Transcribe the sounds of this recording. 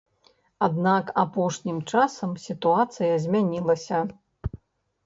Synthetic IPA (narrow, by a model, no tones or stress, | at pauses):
ad̪nakapɔʂnʲimt͡ʂasɐmsʲit̪uat̪sɨjɐzʲmʲanʲilˠɐsʲɐ